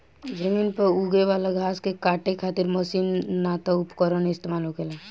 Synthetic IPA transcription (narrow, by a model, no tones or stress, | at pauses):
d͡ʒəmiːnpəuɡeʋaːlaɡʱaːskekaːʈekʰaːt̪ɪɾməsiːnːaːt̪aʊpkɔɾənɪst̪emaːlɦokela